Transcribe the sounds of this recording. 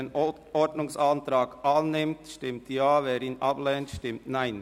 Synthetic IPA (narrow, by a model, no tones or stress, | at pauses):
n | ɔdnʊŋsɑntɾɑːɡʔɑnːɪmtʃtɪmtjaːvɛːɾinʔɑblɛːntʃtɪmtnaɪn